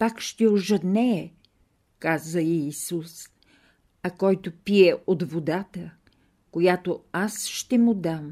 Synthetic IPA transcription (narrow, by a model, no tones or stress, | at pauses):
pakʃt̪ɛoʒəd̪nɛ | kazəiːsus | ɐkɔjt̪opiɛʔod̪vod̪at̪ə | kojat̪oasʃt̪ɛmʊd̪am